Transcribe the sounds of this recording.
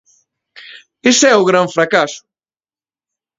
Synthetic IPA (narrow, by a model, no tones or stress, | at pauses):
ɪsɛʊɣɾaɱfɾakasʊ̥